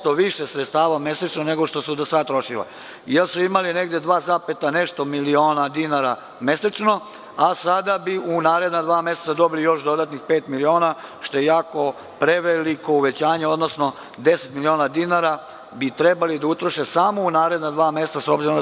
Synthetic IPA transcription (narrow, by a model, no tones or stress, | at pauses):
t̪oʋiʃesɾet̪st̪aːʋame̞set͡ʃnone̞ɡo̞ʃt̪o̞sud̪osad̪̚t̪ɾo̞ʃila̰ | jelsuimaline̞ɡd̪ed̪ʋaːzapet̪ane̞ʃt̪o̞milioːnad̪inaɾa | me̞set͡ʃno̞ | asad̪abiunaːɾe̞d̪nad̪ʋaːmeset̪sad̪o̞bilijo̞ʃd̪o̞d̪at̪nixpeːt̪milio̞ːnaʃt̪o̞jejaːko̞ | pɾe̞ʋeliko̞uʋe̞t͡ɕaːɲeo̞d̪nosno̞ | d̪e̞set̪milioːnad̪inaɾa | bit̪ɾebalid̪aut̪ɾoʃesaːmo̞unaːɾe̞d̪nad̪ʋaːme̞st̪asobziɾo